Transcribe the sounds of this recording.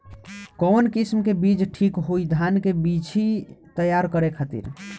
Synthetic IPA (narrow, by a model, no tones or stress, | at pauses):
kɔnkismkebid͡ʒʈʰikɦoid̪ʱankebit͡ʃʰit̪əjaɾkəɾekʰat̪ḭɾ